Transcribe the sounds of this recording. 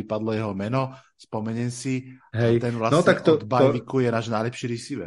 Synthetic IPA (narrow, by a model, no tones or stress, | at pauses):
ipad̪lɔjɛɦɔmɛnɔ | spɔmɛɲɛnsiɦɛjt̪ɛnʋlasnt̪aɛkt̪ɔd̪baʋikujɛnaːʒnajlɛpʃiɾisiʋɛ̰